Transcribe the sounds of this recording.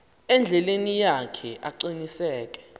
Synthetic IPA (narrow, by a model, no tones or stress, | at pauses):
ɛnd͡ɮʱɛlenijakʰɛʔaǃinisɛːk̬ʼɛ̥